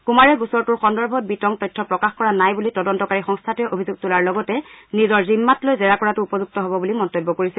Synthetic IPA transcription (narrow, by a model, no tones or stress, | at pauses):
kumaɹɛɡusɔɹtʊɹxɔndɔɹbʱɔt̚bitɔŋtɔjtʰːɔpɹɔkaxkɔɹanajbulitɔdɔntɔkaɹixɔŋstʰatɛʔobʱizuɡ̚tʊlaɹlɔɡɔtɛnizɔɹzimːatlojzɛɹakɔɹatʊupɔzuk̚tɔɦobɔbulimɔntobːɔkoɹisɛ